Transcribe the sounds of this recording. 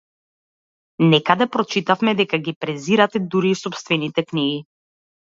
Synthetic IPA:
nɛkad̪ɛpɾɔt͡ʃit̪afmɛd̪ɛkaɡipɾɛziɾat̪ɛd̪uɾiːsɔpst̪vɛnit̪ɛkniɡi

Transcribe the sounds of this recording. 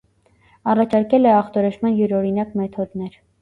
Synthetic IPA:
ɑrɑt͡ʃʰɑɾkɛlɛɑχt̪ɔɾɛʃmɑnjuɾɔɾinɑkmɛt̪ʰɔd̪nɛɾ

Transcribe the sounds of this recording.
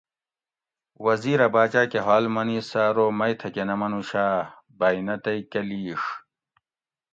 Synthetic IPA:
wɐziːɾɐbaːt͡ɕaːkeɦaːlmɐniːsaːɾoːmɐjt̪ʰɐkenɐmɐnuɕaː | bɐinɐt̪ɐikɐliːʂ

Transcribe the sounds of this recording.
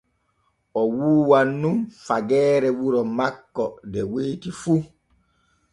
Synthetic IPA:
ʔɔwuːwanːumfaɡɛːɾɛwuɾɔmakːɔdɛweːtifu

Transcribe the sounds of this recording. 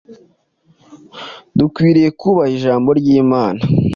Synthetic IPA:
dukwiːɾije̞kuβaiʒaːmbo̞ɾɟiːmaːna

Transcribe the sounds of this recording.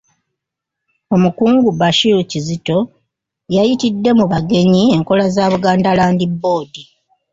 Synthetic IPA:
o̞mukuːŋɡubaʃiɾucizito̞ | jajitidːe̞muβaɡe̞ɲie̞ŋko̞lazaːβuɡaːndalaːndibːo̞ːdi

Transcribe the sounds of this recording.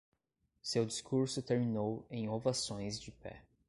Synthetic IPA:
sewd͡ʒiskuɾsʊt̪eɾminowẽj̃ovasõj̃zd͡ʒɪpɛ̰

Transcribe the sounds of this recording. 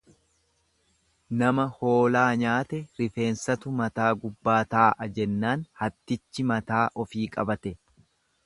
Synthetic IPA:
nɐmɐho̞ːlaːɲaːt̪ɛɾɪfe̞ːnsɐt̪ʊmɐt̪aːɡʊbːaːt̪aːʔɐd͡ʒɛnːaːnhɐt̪ːɪt͡ʃːɪmɐt̪aːʔɔfiːkʼɐbɐt̪ɛ

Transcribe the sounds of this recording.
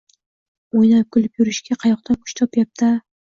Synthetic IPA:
ojnakʲʰʊlˠɪpjʊɾɪʃɡʲaqʰɑjɒqt̪ʰankʰʊ̥ʃt̪ʰɒpjap̚t̪ʰa

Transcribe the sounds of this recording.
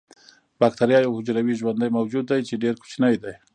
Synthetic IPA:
b̥ɑk̚t̪aɾjɑjawhʊd͡ʒɾawiʒwand̪ajmawd͡ʒud̪ːajt͡ʃeɖeɾkʊ̥t͡ʃnəjd̪aj

